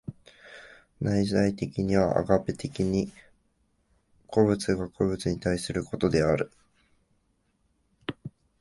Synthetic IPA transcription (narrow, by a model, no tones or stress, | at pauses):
naizait̪e̞kʲiɲ̟iβa̰ʔa̰ɡapet̪e̞kʲiɲ̟i | kʰo̞bɯ̟t͡sɨɡako̞bɯ̟t͡sɨɲ̟it̪aisɨɾɯ̟ko̞t̪o̞d̪e̞aɾɯ̟